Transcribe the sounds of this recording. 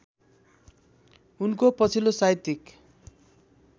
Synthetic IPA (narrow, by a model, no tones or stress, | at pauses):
unkopʌt͡sʰilosajt̪ik